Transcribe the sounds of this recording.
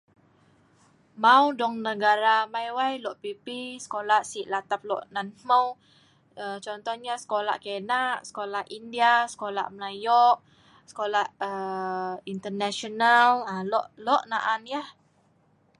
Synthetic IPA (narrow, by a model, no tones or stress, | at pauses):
mãudɔŋnəɡaɾamajwajlɔʔpipisə̥kolaʔsiʔlat̪ap̚lɔ̰ʔnanməw | ət͡ʃɔnt̪ɔhɲasə̥kola̰ʔkenaʔsə̥kolahʔindiasə̥kola̰ʔmlajɔʔ̚ | sə̥kolaʔə | int̪ənaʃɔnalalɔʔlɔʔnaʔanjah